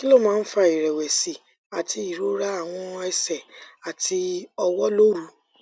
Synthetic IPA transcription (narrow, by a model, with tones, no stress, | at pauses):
ki˦lo˦˨mãː˦˧˦fa˧˨i˨ɾɛ˨wɛ˨si˨ | a˨ti˧i˦˨ɾo˨˦ɾa˦a˦˨w̃ɔ̃˧ɛ˧sɛ˨a˨tʰi˧ɔ˧wɔ˦lo˦ɾu˨˦